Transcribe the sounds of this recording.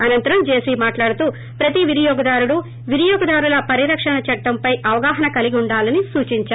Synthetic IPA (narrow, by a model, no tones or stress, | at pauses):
ɐnɐnt̪ɐɾɐmd͡ʒe̞ːsimaːʈlaːɽut̪uː | pɾɐt̪iʋiɾjɔːɡɐd̪aːɾuɽu | ʋiɾjɔːɡɐd̪aːɾulɐpɐɾiɾɐkʂɐɳɐt͡ʃɐʈːɐmpɐjʔɐʋɐɡaːɦɐnɐkɐliɡiuɳɖaːlɐnisuːt͡ʃiɲt͡ʃaː